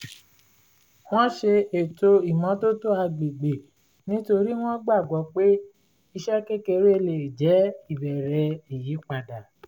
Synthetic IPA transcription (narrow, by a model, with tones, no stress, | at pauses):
w̃ɔ̃˦ʃe˧e˨to˧i˨mɔ̃˨˦to˦to˦a˧ɡ͡be˨ɡ͡be˨ | nĩ˦to˧ɾi˦w̃ɔ̃˦ɡ͡ba˦˨ɡɔ˨˦k͡pe˦ | i˧ʃɛ˦ke˦ke˧ɾe˦˨le˨d͡ʒɛ˨˦i˦˨bɛ˨ɾɛ˧i˨ji˨˦k͡pa˧da˨